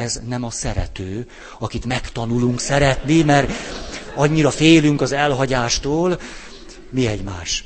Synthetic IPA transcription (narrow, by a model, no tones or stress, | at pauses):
ɛznɛmɒsɛɾɛ̰t̪øː | ɒkit̪mɛkt̪ɒnuluŋksɛɾɛt̪nimɛr | ɒɲːiɾɒfeːlyŋkɒzɛlɦɒɟaːʃt̪oːl | miɛɟmaːʃ